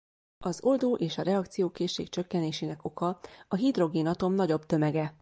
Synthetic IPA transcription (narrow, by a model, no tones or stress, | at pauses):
ɒzo̞ld̪oːʔeːʃɒɾɛɒkt̪sijoːkeːʃːḛːkt͡ʃø̞kːɛneːʃeːnɛko̞kɒɒɦid̪ro̞ɡeːnɒt̪o̞mnɒɟo̞bt̪ø̞mɛɡɛ